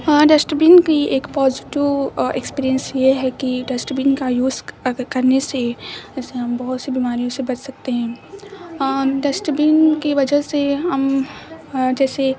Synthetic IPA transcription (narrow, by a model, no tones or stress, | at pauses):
ɖɛsʈəbiːnkiʔeːkpɔːzɪʈiʋḛkspiːɾijə̃nsjeɦɛkiɖɛsʈəpĩːnkajuːzkɐɾnesed͡ʒɛːseɦɐmbɐɦʊt̪sibiːmaːɾijõsebɐt͡ʃsɐk̚t̪eɦɛ̃ː | ɖɛsʈəpiːnkiʋɐd͡ʒəɦseɦɐm | d͡ʒɛːse